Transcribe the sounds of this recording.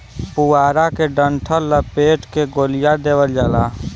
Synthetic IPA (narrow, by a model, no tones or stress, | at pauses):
puaːɾakeɖəɳʈʰəlləpeːʈkeɡoːlɪjad̪eːwəld͡ʒaːlaː